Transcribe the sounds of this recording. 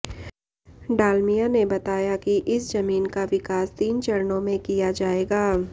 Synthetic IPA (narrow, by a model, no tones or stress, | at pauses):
ɖaːlmijanebɐt̪aːjakiʔɪsd͡ʒɐmiːnkaʋɪkaːst̪iːnt͡ʃɐɾnõmẽkijad͡ʒaːeːɡaː